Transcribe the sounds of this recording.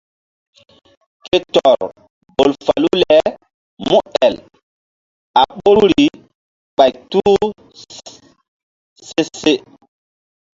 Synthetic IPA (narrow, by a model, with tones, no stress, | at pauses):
ke˦tɔ˨ɾ | bo˨lfa˨lu˦lɛ˨ | mu˦ɛ˨l | a˨ɓo˦ɾɾi˨ | ɓa˨jtu˦ | se˦se˦